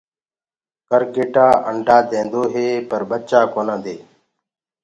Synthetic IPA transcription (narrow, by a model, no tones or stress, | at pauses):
kəɾkeːʈaːʔəɳɖʱaːd̪ẽːnd̪oːɦeːpəɾɓət͡ʃaːkoːnə̃ːd̪eː